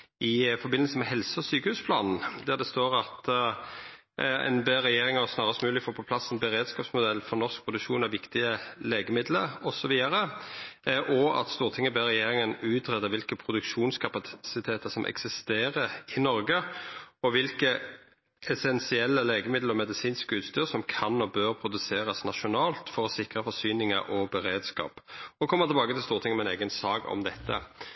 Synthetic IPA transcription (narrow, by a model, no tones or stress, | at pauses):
ɪfɔɾbɪnəsəmɛhɛlsəɔsyːkəhʉːspʰlɑːnn̩d̪æʁd̪ɛst̪oːʁɑt̪ | ɛ̰nbeʁɛjeːʁɪŋəɔsnɑːʁəst̪mʉːlɪfoːpʰɔpʰlɑsːɛnbəʁeːd̪skɑːpsmʊd̪ɛlːfɔʁnɔʁsk̚pʰʁʊd̪ʉkʃuːnæɾʋɪkt̪ɪəleːɡəmɪd̪ləɾɔsɔʋiːəɾə | ʔɔɑ̰t̪st̪uːʁt̪ʰɪŋːəɛbeʁɛjeːʁɪŋənʉːt̪ʁɛd̪əʋɪlkəpʰɾʊd̪ʉkʃuːnskʰɑpɑsɪt̪ʰeːt̪əsɔmʔɛ̰ksɪst̪eːʁəɾɪnɔɾɡəɔʋɪlkə | ɛsɛnsɪɛlːəleːɡəmɪd̪ləɾɔmɛd̪ɪsiːnskəʉːt̪st̪yːʁsɔmkʰɑnːɔbøːʁpʰɾʊd̪ʉseːʁɑsnɑʃʊnɑːlt̪fɔɾɔsɪkʁəfɔsyːnɪŋə̰ɾʔɔbɛɾeːd̪skɑ̰ːpɔkʰɔmːət̪ɪlbɑːkət̪ʰɪlst̪uːʁt̪ʰɪŋəmɛneːɡənsɑːɡɔ̰md̪ɛt̪ʰːə̰